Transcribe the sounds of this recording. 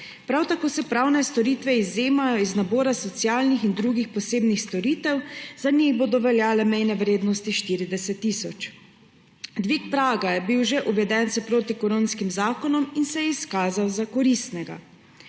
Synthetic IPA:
pɾawt̪akoːsɛpɾawnɛst̪ɔɾit̪ʋɛizːeːmajɔiznabɔːɾasɔt̪sjaːlnixind̪ɾuːɡixpɔseːbnixst̪ɔɾiːt̪ɛwzanixboːd̪ɔʋɛljaːlɛmɛjnɛʋɾeːd̪nɔst̪iʃt̪iːɾid̪ɛsɛt̪ːisɔt͡ʃ | d̪ʋiːkpɾaːɡajɛbiwʒɛʔuʋɛd̪ɛnsɛpɾoːt̪ikoɾoːnskimzaːkɔnɔminsɛjɛiskaːzawzakɔɾist̪nɛɡa̰

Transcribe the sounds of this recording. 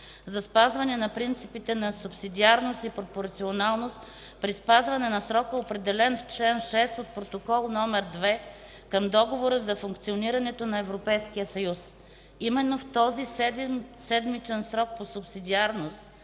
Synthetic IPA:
zɐspazvɐnɛnɐpɾint̪sipit̪ɛnɐsʊpsid̪iaɾnost̪ipɾopoɾt̪sionalˠnost̪ | pɾispazvɐnɛnɐsɾɔkəopɾɛd̪ɛlɛnft͡ʃlɛnʃɛst̪ot̪̚pɾot̪okɔlˠnɔmɛɾd̪vɛ | kəmd̪ɔɡovoɾəzɐfʊŋkt̪sioniɾɐnɛt̪onɐɛvɾopɛjskijəsɐjus | imɛnːoft̪ɔzisɛsɛd̪mit͡ʃɛnsɾɔk̚posʊpsid̪iaɾnost̪

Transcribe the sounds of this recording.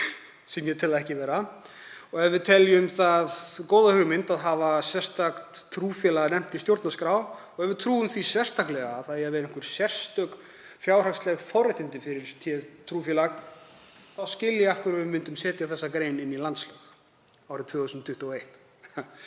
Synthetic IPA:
sɛmjɛt̪ʰɪlaðɛhcɪvɛːɾa | ɔɣɛvɪðt̪ʰɛljʏmθaðkoːwðahʏɣmɪnt̪aðɦavasjɛr̥st̪akt̪ʰːɾuːfjɛlaɣanɛm̥t̪ɪst̪jowɾt̪naskɾaw | ɔɣɛvɪðt̪ʰɾuːʏmθisjɛrst̪aklɛɣaːðθaðjɛavɛːɾɪŋkvʏɾ̥sɛr̥st̪œk | fjaːwr̥akst̪lɛɣfɔwɾɪt̪ɪnt̪ɪfɪɾɪɾ̥t̪ʰjɛt̪ʰɾuːfjɛlax | θaðscɪlːjɛafkʏɾavɪmʏnt̪ʏmsɛːt̪jaθɛsːakɾeːjnɪnːilant̪slœx | awhɾt̪vœːɣsʏnt̪ʰʏht̪uɔejht̪

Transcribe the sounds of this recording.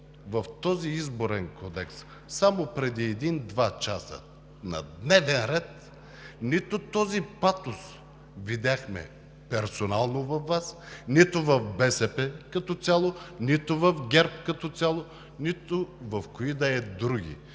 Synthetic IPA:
vɐft̪ɔziizboɾɛnkʰɔd̪ɛksː | amopɾɛd̪iɛd̪ind̪vat͡ʃasə̰ | nɐ̰d̪nɛvɛnɾɛt̪̚ | nit̪ʊt̪ɔzipat̪ʊs | vid̪ʲaxmɛ̰ | pɛɾsonalˠnovɐfːasnit̪ʊvɐfbɛsɛpɛkɐt̪ɔt̪sʲalˠonit̪ʊvɐfɡʲɛɾp̚kɐt̪ɔsʲalˠo | nit̪ovɐfkoid̪ɐɛd̪ɾuɡʲḭ

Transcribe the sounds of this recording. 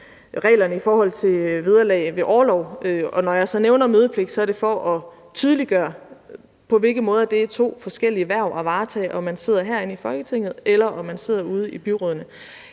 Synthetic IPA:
ʁɛ̰ːlɐnəifɒːhɒ̽l̰t͡sʰe̝ʋið̞ˠɐlɛ̰ɪʋe̝ʔɒːlɒʊ̰øɒ̽nɒjɑ̈ɪsɒ̽neʊnɐmøːð̞ˠəpʰle̝ɡ̥̚sɒ̽æɐɾe̝fɒʔɒ̽ | t͡sʰyːð̞ˠliɡ̥ɶːɐ | pʰɒ̽ʋe̝lɡ̥ð̩ˠmɔ̽ːð̞ˠɐd̥e̝æt͡sʰo̝̰ːfɒ̽sɡ̥el̰iəʋæɐ̰ʊʔæʋɑ̈ːt͡sʰɛ̰ːʔɒ̽mænse̝ð̞̰ˠɐɦæɐ̰e̝nəifɒ̽lɡ̥ət͡sʰe̝ŋ̰ð̞̩ˠelɐʔɒ̽mænse̝ð̞̰ˠɐuːð̞ˠəib̥yʁɔðˠɐnə

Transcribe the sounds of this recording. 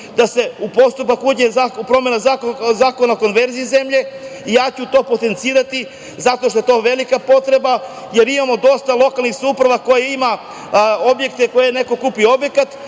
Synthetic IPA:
d̪ase̞upo̞st̪upakuːd͡ʑezapɾo̞me̞nazakzaːko̞naoko̞nʋe̞ɾziizemʎe̞ijaːt͡ɕut̪o̞ːpo̞t̪e̞nt̪siːɾat̪i | zat̪o̞ʃt̪o̞et̪o̞ːʋe̞likapo̞t̪ɾe̞ba | jeɾimamo̞d̪o̞st̪alˠo̞kalˠnixsupɾaʋako̞jeima | obje̞k̚t̪eko̞jeneko̞kupio̞bje̞kat̪

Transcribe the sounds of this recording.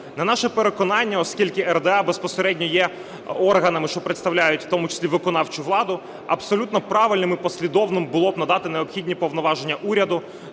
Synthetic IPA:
nɐnɑʃɛpeɾekɔnɑnʲːɐɔskʲilʲkɪɛrd̪ɛɑbespɔseɾɛdʲnʲɔjɛ | ɔrɦɐnɐmɪʃt͡ʃɔpɾɪt̪st̪ɐwlʲajʊtʲft̪ɔmʊt͡ʃe̥sʲlʲiʋɪkɔnɑwt͡ʃʊʋlˠɑd̪ʊ | ɐ̰psɔlʲut̪nɔpɾɑʋɪlʲnɪmɪpɔsʲlʲid̪ɔwnɪmbʊlˠɔbnɐd̪ɑt̪ɪneɔpxʲidʲnʲipɔʋnɔʋɑʒe̞nʲːɐʔuɾʲɐd̪ʊ

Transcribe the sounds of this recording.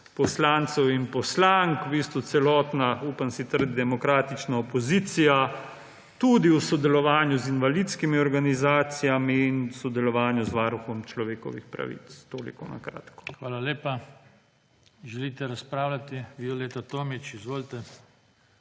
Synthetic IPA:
pɔslaːnt̪sɛwinpɔslaŋkubiːst̪ɔt̪sɛlɔːt̪nauːpansit̪əɾd̪id̪ɛmɔkɾaːt̪it͡ʃnaɔpɔziːt̪sija | t̪ud̪iusɔd̪ɛlɔʋaːnjuzinʋalit̪skimiɔɾɡanizaːt̪sijamiːnsɔd̪ɛlɔʋaːnjuzʋaːɾuxɔmt͡ʃlɔʋeːkɔ̰ʋḭxpɾa̰ʋḭt̪st̪oːlḭkɔna̰kɾa̰ːt̪kɔ̥xʋaːlaleːpa | ʒɛlit̪ɛɾaspɾaːwlʲat̪iʋioleːt̪at̪oːmit͡ʃizʋoːlt̪ɛ

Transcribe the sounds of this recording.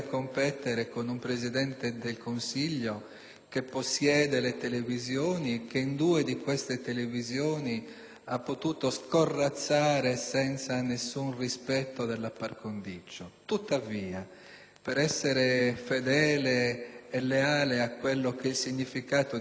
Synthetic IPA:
kːompɛt̪eɾekonumpɾezid̪ɛnt̪ed̪elkonsiʎːo | kepːosːjɛːd̪elet̪elevizjoːnik̟eind̪uːed̪ikwest̪et̪elevizjoːni | apːot̪uːt̪oskorːat̪sːaːɾesɛnt̪sanesːunrispɛt̪ːod̪elːapːarkond̪it͡ʃːot̪ut̪ːaviːa | peɾɛsːeɾefed̪ɛːleːlːeaːleakwelːokeilsiɲːifikaːt̪o

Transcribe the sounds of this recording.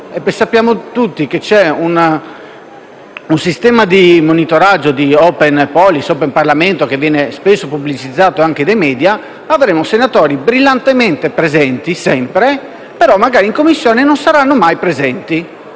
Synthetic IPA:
epːejsapːjaːmot̪ut̪ːiket͡ʃɛun | unsist̪ɛːmad̪imonit̪oɾad͡ʒːod̪iɔːpɛnpɔlisɔpemparlament̪ok̟evːjɛːnespesːopublit͡ʃid̪zːaːt̪oaŋk̟ed̪ejmɛːd̪ja | avɾemosenat̪ɔːɾibɾilːant̪ement̪epɾezɛnt̪isɛmpɾe | peɾɔmːaɡaːɾiŋkomːisːjɔːnenonsaɾanːomajpɾezɛnt̪i

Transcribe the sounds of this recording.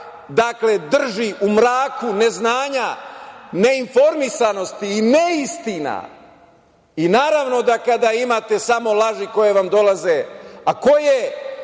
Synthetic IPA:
d̪akle̞d̪r̩ʒiʔumɾaːkune̞znaːɲa | ne̞info̞ɾmisano̞st̪iːneist̪ina̰ | inaːɾaʋno̞d̪akad̪aimat̪e̞samo̞lˠaʒiko̞je̞ʋamd̪o̞laze̞ako̞je

